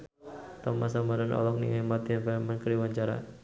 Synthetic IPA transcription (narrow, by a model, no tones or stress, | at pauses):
t̪ɔmas̬amadanʔɔ̰lɔk̚nḭŋɛmat̪infɛmankəɾiwaɲt͡ʃaɾa̰